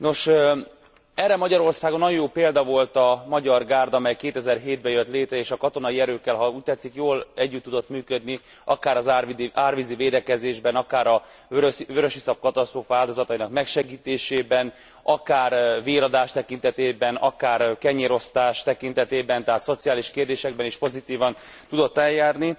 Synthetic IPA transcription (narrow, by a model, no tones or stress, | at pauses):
no̞ʃ | ɛrːɛmɒɟɒɾo̞rsaːɡonːɒjojoːpeːld̪ɒvo̞lt̪ɒmɒɟɒrɡaːrd̪ɒmɛjkeːt̪ɛzɛrɦeːd̪̚bɛjøt̪leːt̪ɾɛeːʃɒkɒt̪o̞nɒiɛɾøːkːɛlɦɒuːc̚t̪ɛt̪sikjoːlɛɟːyt̪ːud̪o̞t̪myːkød̪ni | ɒkaːɾɒzaːrvʋiziveːd̪ɛkɛzeːʒbɛnɒkaːɾɒ | vøɾøʃisɒp̚kɒt̪ɒst̪roːfɒaːld̪o̞zɒt̪ɒinɒkmɛkʃɛɡiːt̪eːʃeːbɛn | ɒkaːrveːɾɒd̪aːʃt̪ɛkint̪ɛt̪eːbɛnɒ̰kaːrkɛɲeɾo̞st̪aːʃt̪ɛkint̪ɛt̪eːbɛnt̪ɛɦaːt̪so̞t̪sijaːliʃkeːrd̪eːʃɛɡbɛniʃpo̞zit̪iːvɒn | t̪ud̪o̞t̪ːɛljaːrni